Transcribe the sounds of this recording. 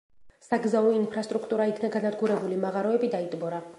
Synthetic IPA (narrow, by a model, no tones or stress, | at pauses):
saɡzauinpʰɾast̪ʼɾukʰt̪ʼuɾaikʰnaɡanad̪ɡuɾɛbulimaʁaɾɔɛbid̪ait̪ʼbɔɾa